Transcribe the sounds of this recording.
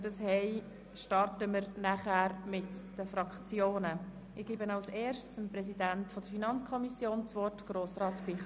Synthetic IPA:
dɑshɛɪ | ʃtɑrtəmɪɾnæχæːɾmɪtd̥əfɾɑkχt͡sjoːnə | ɪɡ̥iːbənɑʊsɛːɾʃt͡səmprɛs̬idæntfɔd̥̪əɾfinɑnt͡skʰɔmisjoːnt͡sʋɔrtɡ̥ɾoːsrɑːtpɪ

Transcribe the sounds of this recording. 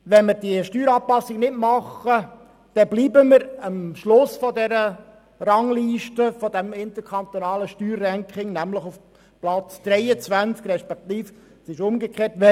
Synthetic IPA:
ʋɛnmɪɾdiəʃtyːɾɑːpɑsɪɡnɪdmɑχə | d̥ɛbliːbəməɾəmʃlʊsfɔdɛɾə | rɑŋliːʃtəfɔd̪ɛmɪnt̪əkʰɑnt̪onɑːləʃtyːrːɛŋkχɪŋnæmləχuf | plɑt͡sd̪̥ɾɛjət͡sʋænt͡skrɛʃpɛkt̪iːf | sɪʃʊmɡəkχeːtʋɛ

